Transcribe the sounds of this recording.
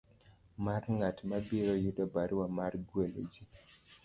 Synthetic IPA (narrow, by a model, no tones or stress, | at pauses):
marŋatmabiɾojudɔbaɾwamarɡwelo̰d͡ʒi